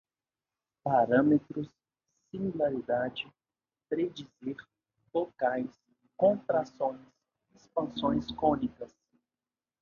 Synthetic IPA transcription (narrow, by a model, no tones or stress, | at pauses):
paɾɐ̃met̪ɾʊsː | ĩmulaɾid̪ad͡ʒɪ | pɾed͡ʒiziɾ | fokajs | kõnt̪ɾasõj̃s | ispɐ̃sõj̃skõnikɐs